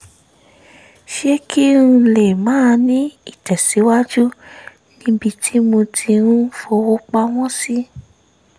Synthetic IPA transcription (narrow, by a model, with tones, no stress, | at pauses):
ʃe˦ki˦ɾũ˧le˨mãː˦˧nĩ˦i˦˨tɛ˨se˨˦wa˦d͡ʒu˦ | nĩ˦bi˧tʰi˦mõ˧tʰi˧ɾũ˦fo˧wo˧˦k͡pa˧w̃ɔ̃˦si˦